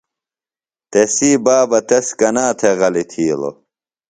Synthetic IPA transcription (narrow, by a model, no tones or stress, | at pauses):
t̪esiːbaːbɐt̪eskɐnaːt̪ʰeɣɐlit̪ʰiːlo̰